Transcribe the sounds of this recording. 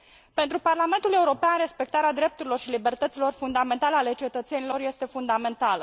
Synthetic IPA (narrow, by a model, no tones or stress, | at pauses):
pent̪ɾuparlame̞nt̪ule̞uɾo̞peanre̞spe̞kt̪aɾead̪ɾe̞p̚t̪uɾilo̞rʃilibe̞rt̪ət̪silo̞rfund̪ame̞nt̪aləale̞t͡ʃe̞t̪ət̪se̞nilo̞rje̞st̪e̞fund̪ame̞nt̪alə